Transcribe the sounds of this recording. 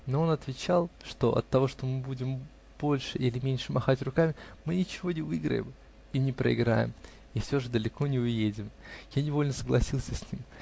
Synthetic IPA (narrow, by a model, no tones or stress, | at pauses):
no̞o̞nɐt̪vʲɪt͡ɕalˠʂt̪o̞̰ʔɐ̰t̪ːɐvo̞ʂt̪o̞mɨbudʲɪm | b̥o̞lʲʂɨʔilʲɪmʲenʲʂɨmɐxatʲrʊkamʲɪmɨnʲɪt͡ɕɪvo̞nʲɪvɨɡɾə̰jɪ̰m | inʲɪpɾə̰ɪ̰ɡɾa̰jɪ̰m | ifsʲoʐɨd̪əlʲɪko̞nʲɪʊjedʲɪmjanʲɪvo̞lʲnəsəɡlˠɐsʲilˠsʲəsʲnʲim